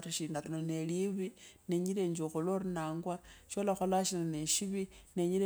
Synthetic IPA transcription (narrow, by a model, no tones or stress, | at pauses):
ɾiʃinatinoneliβineɲileɲd͡ʒoxoloɾinaːŋɡwaʃolaxolaʃinaneʃiβineɲiɾe